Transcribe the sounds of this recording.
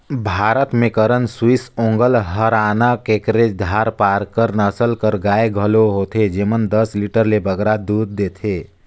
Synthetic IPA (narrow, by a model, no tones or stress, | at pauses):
bʱaɾət̪mekəɾənswisõŋɡəlɦəɾanakekɾed͡ʒd̪ʱaɾpaɾkəɾnəsəlkəɾɡaeɡʱəloɦot̪ʰed͡ʒemənd̪əsliʈəɾlebəɡɾad̪ud̪̚ːet̪ʰe